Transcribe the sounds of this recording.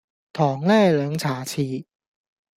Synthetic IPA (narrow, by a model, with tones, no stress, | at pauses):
t̪ʰɔː˨˩ŋlɛː˥˩lœː˨˦˥ŋt͡ɕʰaː˨˥t͡ɕʰiː˧˩